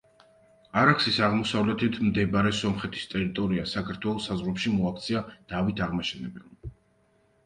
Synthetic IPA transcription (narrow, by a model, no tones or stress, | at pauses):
aɾakʰsisaʁmɔsavlɛt̪ʰit̪ʰmd̪ɛbaɾɛsɔmχɛt̪ʰi̥st̪ʼɛɾit̪ʼɔɾiasakʰaɾt̪ʰwɛlˠɔsazʁɾɛpʃimɔakʰt̪sʰiad̪̥avit̪ʰaʁmaʃɛnɛbɛlˠa